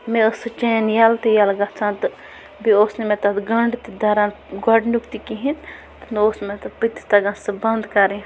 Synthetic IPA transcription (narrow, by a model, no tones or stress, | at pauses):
mẽəsɨt͡ʃenjalt̪ijalɡɐt͡sʰãnt̪ɨ | bioːsnemẽt̪ɐt̪ɡɐɳɖt̪id̪ɐɾãn | ɡɔɖnukt̪ikiɦin | t̪ɨnoːsmẽt̪ɐpɨt̪i̥t̪ɐɡɐ̃nsɨbɐnd̪kɐɾĩ